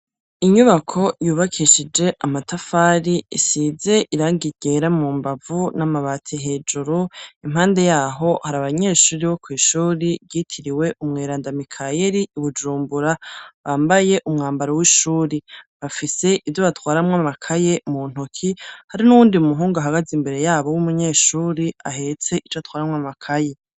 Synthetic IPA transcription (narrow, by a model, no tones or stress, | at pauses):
iɲuβakʰo̞juːβakʰiʃid͡ʒe̞ʔamatafaːɾiisize̞ʔiɾaːŋɡiɟe̞ɾamuːmbavunamaβaːtʰiɦe̞ːd͡ʒuɾuim̥haːnde̞jaːɦo̞haɾaβaɲe̞ːʃuːɾiβo̞kwiːʃuːɾibɟitʰiɾiwe̞ʔumŋeːɾaːndamikʰaje̞ɾiuβud͡ʒuːmbuɾaβaːmbaje̞ʔumŋaːmbaɾowiːʃuːɾiβafise̞ʔivjoβatwaːɾamŋamakʰaje̞muːn̥ukʰihaɾinuwuːndiumuɦuːŋɡaɦaɡazimbe̞ɾe̞jaːβowumuɲe̞ːʃuːɾiaɦe̞t͡se̞ʔit͡ʃtwaːɾamŋamakʰaje̞